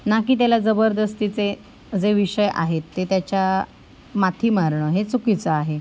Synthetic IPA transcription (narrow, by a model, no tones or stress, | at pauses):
nakiːt̪̬jalad͡zəbəɾd̪əst̪it͡se | d͡zeʋiɕəja̰ɦet̪ːet̪jat͡ɕja | mat̪ʰiːmaɾɳəːɦet͡sukit͡səaɦe